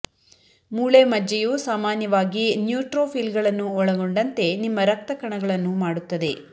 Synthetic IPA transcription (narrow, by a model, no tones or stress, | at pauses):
muːɭeːmɐd͡ʒɐjuːsaːmaːnjɐʋaːɡinjuːʈɾoːpʰilɡɐɭɐnːuɔɭɐɡoɳɖɐnt̪e̞nimːɐɾɐk̚t̪ɐkɐɳɐɡɐɭɐnːumaːɽut̪ːɐd̪e̞